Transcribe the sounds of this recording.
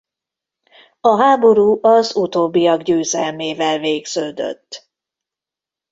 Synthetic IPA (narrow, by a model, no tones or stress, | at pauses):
ɒɦaːbo̞ɾuːʔɒzut̪oːbːijɒɡɟøːzɛlmeːvɛlveːɡz̥øːd̪ø̰t̪ː